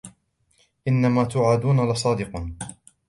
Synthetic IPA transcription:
ʔɪnːamaːt̪ʊʕaːd̪uːnalɪsˤɑːd̪ɪq

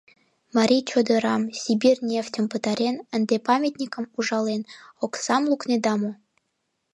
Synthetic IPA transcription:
mɑɾʲijt͡ɕod̪əɾɑmsʲibʲirnʲeftʲə̆mpət̪ɑɾʲenənd̪epɑmʲet̪ʲnʲikə̆muʒɑlenoksɑmlˠukned̪ɑmo

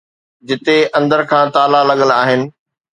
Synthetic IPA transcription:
d͡ʑɪt̪eɐ̃nd̪əɾkʰãːt̪aːlalɐɠəlaːɦɪnɪ̆

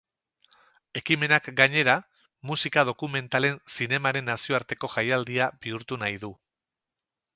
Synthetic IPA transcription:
e̞kime̞nakɡaɲe̞ɾa | musikað̞o̞kume̞nt̪ale̞nsine̞maɾe̞nːasio̞aɾt̪e̞ko̞ʝajald̪iabiuɾt̪unajðu

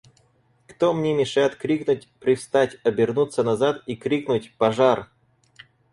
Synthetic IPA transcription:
kt̪omnʲemʲɪʂajɪt̪kɾʲiknʊt̚ʲpɾʲɪfst̪atʲɐbʲɪrnut̪sːənɐzat̪ikɾʲiknʊtʲpɐʐar

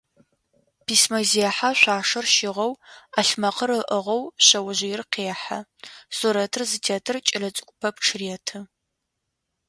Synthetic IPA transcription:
pʰiːsmɐziɛħaɕʷaːʂɐrʃɪʁɐwaɬmɐqʰərɨʔəʁɐwɕɐwɐʑɪjɪrqeːħa̰soɾɐtʰɨrzɨtʰaːtʰɨrt͡ʃʼɪrɐt͡sʼɨ̥kʷʼʊ̥pʰɐpʈ͡ʂʰɨriɛtʰɨ

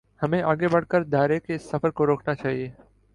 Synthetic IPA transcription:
həmẽːʔaːɡeːbəɽ̤kəɾd̪ʱaːɾeːkeɪsːəfəɾkoːɾoːknaːt͡ʃaːɦieː

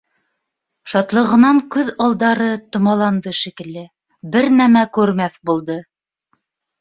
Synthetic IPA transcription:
ʃɑt̪lˠɤ̆ʁɤ̆nɑŋkʉðɑlˠd̪ɑɾɤt̪ŏmɑlˠɑnd̪ɤʃikɘ̆lːɘ | bɘɾnæmækʉɾmæθbulˠd̪ɤ

